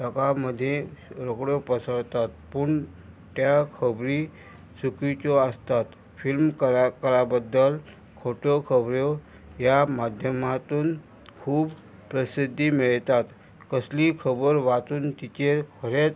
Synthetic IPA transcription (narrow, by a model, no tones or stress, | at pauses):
ʈəkaməd̪ʱːjeɾokɽjopəsəɭt̪at̪̚puːɳ | t̪jakʰəbɾi | sukit͡soəst̪at̪ | filmkəɾakəɾabəd̪ːəl | kʰoʈokʰəbɾjo | jamad̪ʱjəmat̪uːn | kʰuːb | pɾəsid̪ʱːimiɭt̪at̪ | kəslikʰəbəɾʋat̪uːnt̪it͡ɕeɾkʰəɾet͡s